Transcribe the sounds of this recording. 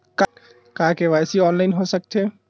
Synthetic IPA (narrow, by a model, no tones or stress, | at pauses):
k | kakeʋajsiɔːnlaɪnɦosək̚t̪ʰe